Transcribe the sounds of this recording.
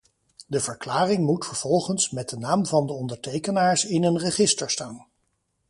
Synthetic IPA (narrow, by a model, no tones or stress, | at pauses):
dəvəɹklaːrɪŋmutfəɹv̥ɔlˠχənsmɛd̚dənaːmvɑndəɔndəɹtejkənaːɹsɪnənrəχɪstəɹstaːn